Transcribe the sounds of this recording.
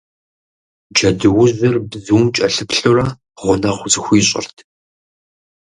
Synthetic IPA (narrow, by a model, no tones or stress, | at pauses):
d͡ʒɐdɨwʊzzɨrbzuwmt͡ʃʼɐɬɨpɬurɐ | ʁʷʊnɐχʷʊzɨxʷiːɕʼɪ̰rtʰ